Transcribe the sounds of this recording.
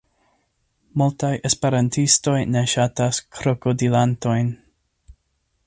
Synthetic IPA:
multajʔespeɾantʰisto̞jne̞ʃataskʰɾokodilanto̞jn

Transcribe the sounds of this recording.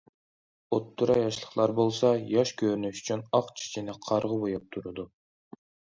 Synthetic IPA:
ot̪ʰːuɾɑjɑʃlˠəχlˠɑɾbolˠsɑjɑʃkʲʰøɾnyʃy̥t͡ʃʰynɑqt͡ʃʰi̥t͡ʃʰinɪqʰɑɾʁəbojɑp̚t̪ʰuɾɨd̪u

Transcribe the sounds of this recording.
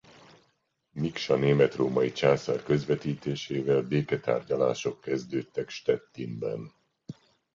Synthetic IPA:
mikʃɒneːmɛt̪roːmɒjit͡ʃaːsarkø̞zvɛt̪iːt̪eːʃeːvɛlbeːkɛt̪a̰ːrɟɒlaːʃo̞kːɛzd̪øːt̪ːɛkʃt̪ɛt̪ːinbɛ̰n

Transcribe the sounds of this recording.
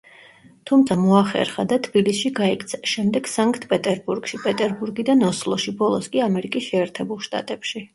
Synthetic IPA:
t̪ʰumt̪sʰamɔaχɛ̰ɾχad̪at̪ʰbilisʃiɡaɛkʰʼt̪sʰaʃɛmd̪ɛɡ̥saŋkʼt̪ʰpʼɛt̪ʼɛɾbuɾɡʃipʼɛt̪ʼɛɾbuɾɡid̪anɔslˠɔʃibɔlˠɔskʼiamɛɾikʼisʃɛːɾt̪ʰɛbulˠʃt̪ʼa̰t̪ʼɛpʃi

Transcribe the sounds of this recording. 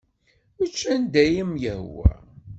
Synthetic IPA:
ət͡ʃːænd̪æjəmjəhwæ̰

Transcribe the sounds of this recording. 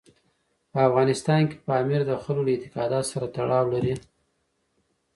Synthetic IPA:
pəafɣɑnɪst̪ɑnke̥pəɑmiɾd̪əxəloləɪt̪ɪ̥qɑd̪ɑt̪saɾat̪aɽɑwlaɾi

